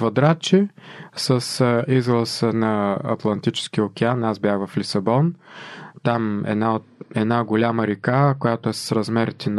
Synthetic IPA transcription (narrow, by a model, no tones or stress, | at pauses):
vɐd̪ɾat͡ʃisəsizlˠəsənɐɐ̰t̪lˠɐnt̪it͡ʃɛ̥sk̟iokʲɛanazbʲjaxvɐflisɐbɔnt̪amɛ̰naɛd̪naɡolʲaməɾikakojat̪oɛsə̥sɾɐzmɛɾt̪ʲin